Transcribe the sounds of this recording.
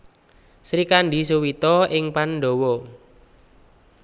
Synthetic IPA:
sɾikanɖi̤suwit̪ɔɪŋpanɖowɔ

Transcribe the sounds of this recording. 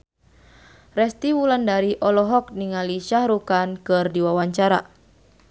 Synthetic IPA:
rɛst̪iwulandaɾiʔɔlɔɦɔk̚niŋaliʃahɾukankɨrdiwawaɲt͡ʃaɾa

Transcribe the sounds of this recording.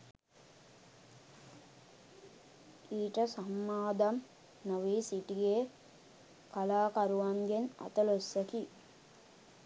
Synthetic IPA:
iːʈəsamːaːd̪am | nɐʋiːsiʈiɡeː | kalaːkaɾuʋaŋɡenɐ̰t̪ɐlosːeki

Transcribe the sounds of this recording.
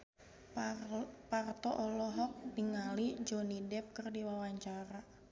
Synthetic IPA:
part̪ɔʔɔlɔɦɔk̚diŋalid͡ʒɔnidɛp̚kɨrdiwawaɲt͡ʃaɾa

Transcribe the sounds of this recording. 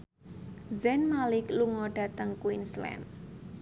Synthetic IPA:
zɛnmalɪkluŋɔɖ̥ä̤t̪əŋkuwinslɛ̰n

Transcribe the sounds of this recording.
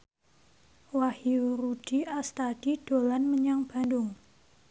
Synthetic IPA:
wahiurud̥iast̪ad̥id̥o̤lanməɲaŋb̥a̤ndʊŋ

